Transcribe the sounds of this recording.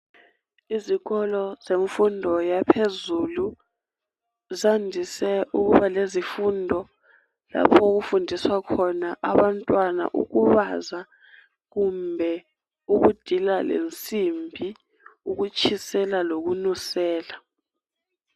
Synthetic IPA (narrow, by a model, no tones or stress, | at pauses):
iziɣɔlɔzeɱfundʱɔjapʰezulu | zandʱisɛʔuk̬uβalezifundʱɔ | la̰pʰɔuk̬ufundʱiswakʰɔnaʔaβantʼwana̰ʔṵk̬uβaza | k̬umbʱɛ | uk̬ud̥ʱilalḛnt͡sʼimbʱi | uk̬ut͡ʃʰisɛlalok̬unusɛːla